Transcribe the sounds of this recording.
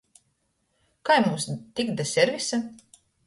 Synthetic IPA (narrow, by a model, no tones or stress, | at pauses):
kajmumst̪ikd̪asʲɛɾvisa